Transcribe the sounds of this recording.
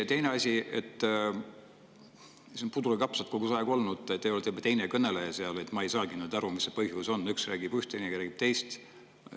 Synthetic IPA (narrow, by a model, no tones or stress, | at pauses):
t̪e̞jne̞ɑsʲiet̪ː | sionpud̪uɾekɑpsɑt̪̚koɡ̥usɑeɡuo̞lnud̪̥et̪ːeolet̪eub̥ɑt̪e̞jnekɤne̞lejɑseɑle̞t̪ˑmɑejsɑːɡinyd̪̥ɑɾumisːepɤhjuso̞nːyksræːɡib̥yht̪ejnekɾæːɡ̥ib̥̚t̪e̞jst̪